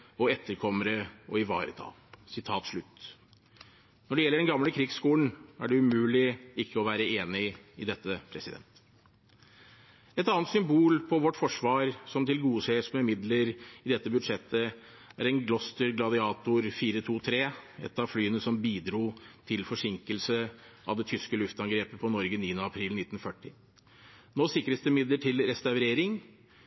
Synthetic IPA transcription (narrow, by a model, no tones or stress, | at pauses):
ɔɛt̪ʰːəɾkʰɔmːəɾəɔɪʋɑ̰ːɾə̰t̪ʰɑ̰ːlsɪt̪ʰɑːt̪ʂɭʉt̪ː | nɔɖɛjɛlːəɖɛnɡɑmləkʰɾɪɡskuːən̩æɖɛʉmʉːlɪɪkːəɔʋæːɾəeːnɪɪd̪ɛt̪ːəpʰɾɛsɪd̪ɛ̰nt̪ | ɛt̪ɑːnt̪sʏmbuːlpʰɔʋɔʈːfɔʂʋɑːɾsɔmt̪ʰɪlɡuːseːsmɛmɪd̪ləɾɪd̪ɛt̪ːəbʉd̪ʂɛt̪ʰːə | æ̰ɾɛɪnɡlɔst̪əɾɡlɑd̪ɪɑːt̪ʊɾfiːɾət̪ʰuːt̪ʰɾeːɛ̰t̪ːɑʋflyːənəsɔmbiːd̪ɾuːt̪ʰɪlfɔʂɪŋkəlsəʔɑ̰ʋd̪ɛt̪ʰʏskəlʉft̪ɑŋɡɾeːpəpʰɔnɔɾɡəniːənəɑpʰɾiːlnɪt̪ːn̩fœʈːɪ | noːsɪkɾəsd̪ɛmɪd̪ləʈʰɪlɾɛst̪ɑʉɾeːɾɪŋ